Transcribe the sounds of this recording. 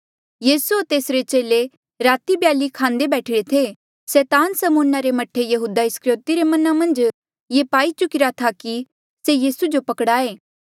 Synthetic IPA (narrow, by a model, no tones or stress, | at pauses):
jiːsuot̪eːsɾet͡ʃeːle | ɾaːt̪ibjaːlikʰãːnd̪ebɛːʈʰɪɽet̪ʰe | sɛːt̪aːnsəmʊnːaɾemɐʈʰejɐɦuːd̪aɪskɾoːt̪iɾemɐnamɐ̃nd͡ʒ | jepaːit͡ʃʊkɪɾat̪ʰaki | sejiːsud͡ʒopɐkɽaːeː